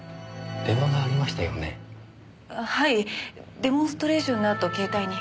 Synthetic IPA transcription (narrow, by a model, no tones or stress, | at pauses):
d̪̥emaɡaːɾʲimaɕi̥t̪ajo̞̰ne̞̰ | haid̪e̞mõ̞ɰ̃st̪oɾe̞ːɕõ̞nːat̪ːo̞ke̞ːt̪aiɲ̟i